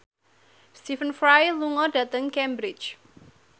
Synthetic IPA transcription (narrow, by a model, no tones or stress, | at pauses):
st̪ifənfɾajluŋɔdä̤t̪əŋkɛmbɾɪt͡ʃ